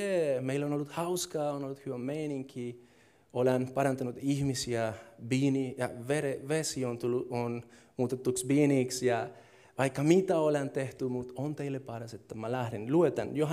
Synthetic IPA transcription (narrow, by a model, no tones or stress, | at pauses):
emeilːonolːut̪hɑwskɑːonolːut̪hyʋæmmːeiniŋki | olenpɑɾɑnt̪ɑnut̪ihmisiæbiːnijɑʋeɾeʋesiont̪ulːuon | muːt̪et̪ːuksbiːniːksjɑ | ʋɑikːɑmit̪æolent̪eht̪ymut̪ont̪eilːepɑɾɑset̪ːæmælæhɾenluet̪ænjoɦɑ